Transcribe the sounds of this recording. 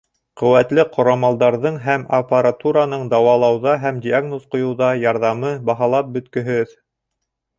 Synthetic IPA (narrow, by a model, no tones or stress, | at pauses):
qɵ̆wæt̪lɘqʰŏɾɑmɑlˠd̪ɑɾðɤɴɦæmɐpaɾat̪uɾanɤɴd̪ɑwɑlˠɑwðɑɦæmdʲiaɡnosqŏjŏwðɑjɑɾðɑmɤbɑɦɑlˠɑp̚bɵ̆t̪kɵ̆ɦɵð